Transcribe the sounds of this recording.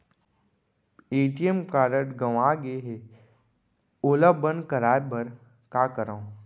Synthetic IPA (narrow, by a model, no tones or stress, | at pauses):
eːʈijəmkaːɾəʈɡɐʋaːɡeːɦe | oːlabənkəɾaːjbɐɾ | kaːkəɾaõ